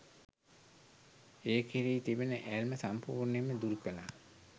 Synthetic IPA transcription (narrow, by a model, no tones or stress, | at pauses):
eːkʰiɾiːt̪ibenəʔælməsampuːɾneməd̪uɾukəla